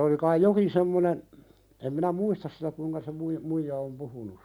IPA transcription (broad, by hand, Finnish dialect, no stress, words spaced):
olĭ kɑij jokin semːonen em minæ muistɑs sitæ kuiŋkɑ se mui muijɑ om puhunus